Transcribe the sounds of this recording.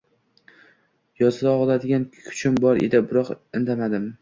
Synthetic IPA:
jɒzɪd̪aɒʁlˠad̪ɪɡʲanʰʊ̥t͡ʃʰɪmbɒɾḛd̪ɪbɪɾɒqɪnd̪amad̪ɪm

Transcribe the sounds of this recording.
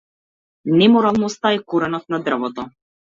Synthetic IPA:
nɛmɔɾalˠnɔst̪aɛkoɾɛnɔt̪̚nad̪r̩vɔt̪ɔ

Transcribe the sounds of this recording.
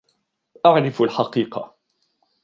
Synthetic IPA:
ʔaʕɾɪfalħɑqiːqɑ̰

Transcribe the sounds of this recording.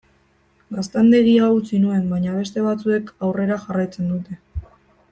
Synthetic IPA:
ɡast̪and̪e̞ɣiaut͡sinue̞mbaɲaβ̞e̞st̪e̞β̞at͡sue̞kawre̞ɾaxarajt͡se̞nd̪ut̪e̞

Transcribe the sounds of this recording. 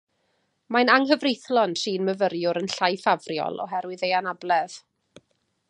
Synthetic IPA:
majnaŋɦəvrejθlˠɔnʃiːnməvəɾjʊɾənɬajfavrjɔ̰lˠɔ̰ɦɛɾwɪðejanablˠɛð̥

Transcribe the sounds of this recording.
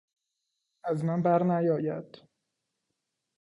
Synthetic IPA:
æzmænbæɾnæjɒːjæd̪̥

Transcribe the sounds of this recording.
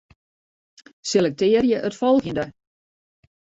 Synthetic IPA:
selɛk̚tɪːərjəʔətfɔlˠxəndə

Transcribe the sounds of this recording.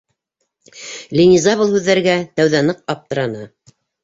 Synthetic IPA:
lʲinʲizɑβɤlˠhʉðːæɾɘ̆ɡæt̪æwðænɤq̚ɑp̚t̪ɤ̆ɾɑnɤ

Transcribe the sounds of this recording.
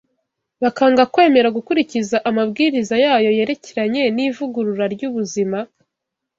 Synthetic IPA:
βakaːŋɡakwe̞ːme̞ɾaɡukuɾicizaʔamabɡiːɾizajaːjo̞je̞ɾe̞ceɾaɲe̞niːvuɡuɾuɾaɾɟuːβuzima

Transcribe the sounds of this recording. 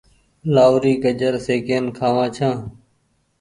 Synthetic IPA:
laːʋɾiːkəd͡ʒəɾseːkeːnkʰaːʋãːt͡ʃʰãː

